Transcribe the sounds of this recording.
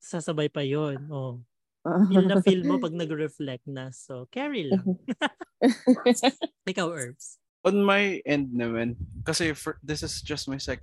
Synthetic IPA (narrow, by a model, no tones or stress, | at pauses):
saːsɐbajpɐjonʔo | ilnɐfilmːopɐɡ̚nɐɡɹɛflɛk̚nɐsokɛɹɪlɐŋ | ɪkawʔɛɹfs | ʔɔnmɐjʔɛ̃nd̪̚nɐmɐnkɐsɛfd̪ɪsɪsd͡ʒɐst̪̚majsɛk